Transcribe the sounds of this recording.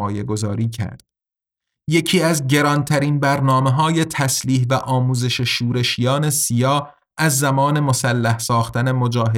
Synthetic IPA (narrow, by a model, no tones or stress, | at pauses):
je̞ɡo̞zɒːɾiːcʰæ̰ɾd̪̥ | je̞cʰiːæzɟe̞ɾɒnt̪ʰæɾiːnbæɾnɒːme̞ɦɒːje̞t̪ʰæsliːɦvæʔɒːmuːze̞ʃe̞ʃuːɾe̞ʃijɒːne̞sijɒː | ʔæzːæmɒːne̞mo̞sælːæhsɒːxt̪æne̞mo̞d͡ʒɒːɦe